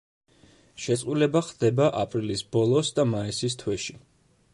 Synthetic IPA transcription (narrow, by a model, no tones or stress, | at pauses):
ʃɛt̪sʼqʼulɛbaχd̪ɛbaʔapʼɾilisbɔlˠɔsd̪amaisis̬t̪ʰwɛʃi